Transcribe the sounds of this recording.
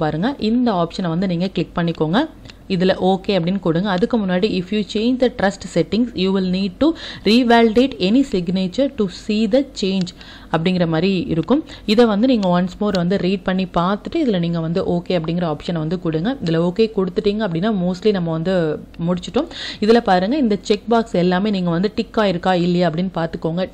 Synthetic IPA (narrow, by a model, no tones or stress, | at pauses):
paːɾɯŋɡɐʔɪnd̪ɐaːpʂɐnʋɐnd̪ɯniːŋɡɐklɪk̚pɐɳːɪkːoːŋɡɐ | ɪðɪlɐʔoːkeːɐpːɐɽɪnːɯkʊɽɯŋɡɐɐðɯkːɯmʊnːaːɽiɪfjuːt͡ʃeːɲd͡ʒd̪ɐʈɾɐsʈsɛʈːɪŋsjuːʋɪlniːɖ̚ʈuɾiːʋaːlɪɖeːʈɛnisɪɡneːt͡ʃɐɾʈusiːd̪ɐt͡ʃeːɲd͡ʒ | ɐpːɐɽɪŋɡɪɾɐmaːd̪ɾiɪɾɯkːɯmɪðɐʋɐnd̪ɯniːŋɡɐʋɐnsmoːɾʋɐnd̪ɯɾiːɖ̚pɐɳːipaːɾt̪ɯʈːɯɪðɪlɐniːŋɡɐʋɐnd̪ɯʔoːkeːɐpːɐɽɪŋɡɪɾɐaːpʂɐnʋɐnd̪ɯkʊɽɯŋɡɐɪðɪlɐoːkeːkɔɽɯt̪ːɯʈːiːŋɡɐpːɐɽɪnːaːmoːsʈlinɐmːɐʋɐnd̪ɯmʊɽɪt͡ʃːɪʈːõːɪðɪlɐpaːɾɯːŋɡɐɪnd̪ɐt͡ʃɛk̚baːksɛlːaːmeːniːŋɡɐʋɐnd̪ɯʈɪkːaːɪɾɯkːaːɪlːɐjaɐpːɐɽɪnːɯpaːɾt̪ɯkːoːŋɡɐ